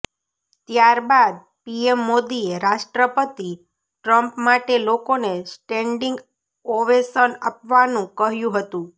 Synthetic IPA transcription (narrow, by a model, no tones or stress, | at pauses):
t̪jaɾbad̪̚ | piemːod̪ieɾaʃʈɾəpət̪i | ʈɾəmpmaʈelokonesʈɛɳɖiŋɡ | oʋesənapʋanũkəɦjũɦət̪ũ